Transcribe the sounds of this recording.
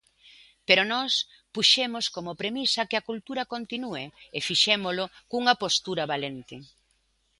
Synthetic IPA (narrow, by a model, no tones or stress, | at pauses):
peɾonɔs | puʃemoskomʊpɾemisɐkɪɐkult̪uɾɐkont̪inuɪefiʃemolʊkuŋɐpost̪uɾɐβalent̪ɪ